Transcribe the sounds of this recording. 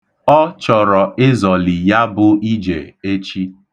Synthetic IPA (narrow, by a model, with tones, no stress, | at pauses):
ɔ˦t͡ʃɔ˨ɾɔ˨ɪ˦zɔ˨li˨ja˦bʊ˦i˦d͡ʒḛ˨e˦t͡ʃi˦